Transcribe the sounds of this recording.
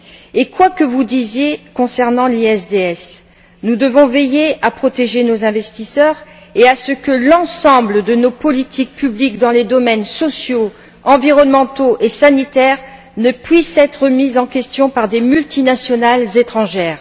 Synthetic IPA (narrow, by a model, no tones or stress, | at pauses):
ekwakəvud̪izjekɔ̃sɛʁnɑ̃liɛsd̪eɛs | nud̪əvɔ̃vejeapχɔt̪eʒenozɛ̃vɛst̪isœʁ | easəkəlɑ̃sɑ̃bləd̪ənopɔlit̪ʰik̚pyblikd̪ɑ̃led̪ɔmɛnsɔsjo | ɑ̃viʁɔnmɑ̃t̪oʔesanit̪ɛʁ | nəpɥisɛt̪χəmizɑ̃kʲɛst̪jɔ̃paʁd̪emylt̪inasjɔnalzet̪χɑ̃ʒɛːʁ